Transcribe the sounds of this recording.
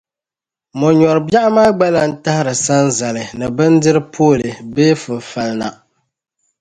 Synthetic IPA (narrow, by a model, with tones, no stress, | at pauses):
mɔ˨ɲɔ˨ɾɨ˨bja˦ʔmaː˦ɡ͡ba˦la˨n̩˦ta˦hɪ˦ɾɨ˨sa˦n˦za˨lɨ˨nɨ˨bɨ˦n˦dɨ˦ɾɨ˦pʰoː˦˨lɨ˨beː˦fɨ˨fa˨lna̰˨